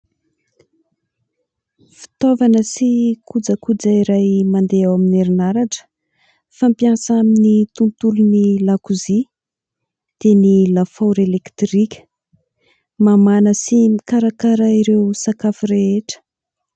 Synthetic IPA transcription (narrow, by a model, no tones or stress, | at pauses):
fi̥t̪ovanəsikʰud͡zakud͡zaiɾajmand̪eawamineɾinaɾaʈ͡ʂə̥ | fampjansaminit̪unt̪ulunilakuzi | d̪̥enilafoɾelekt̪rikʲə̥ | mamanəsimikaɾakaɾaiɾewsakafiɾeeʈ͡ʂə̥